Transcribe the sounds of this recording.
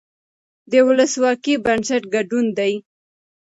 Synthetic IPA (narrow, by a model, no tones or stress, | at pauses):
d̪əwʊləswɑkibansaʈɡaɖund̪aj